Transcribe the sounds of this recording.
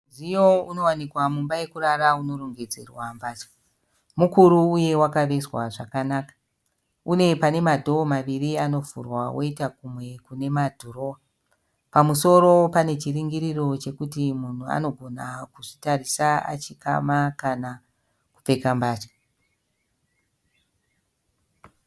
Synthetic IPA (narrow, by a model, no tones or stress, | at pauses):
ʐijouno̞wanikwamumbaje̞kuraɾauno̞ɾoŋɡe̞d͡zḛrwambaːt͡ʃḁ | mukuɾuːje̞wakaʋe̞swaʐakanaːkḁ | une̞pane̞madʱo̞ːmaʋiriano̞vṵrwawʔo̞̰itakumwe̞kune̞madʱoro̞ːwa | pamuso̞ɾo̞pane̞t͡ʃiriŋɡiɾiro̞t͡ʃe̞kutimun̤ua̰no̞ɡʱo̞nakuʐitarisaa̰t͡ʃika̰makana | kup͡fe̞kambaːt͡ʃḁ